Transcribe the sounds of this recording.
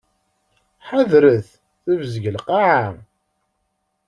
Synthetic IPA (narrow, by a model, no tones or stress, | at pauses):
ħaðɾəθ | θəvzəʝəlqaʕam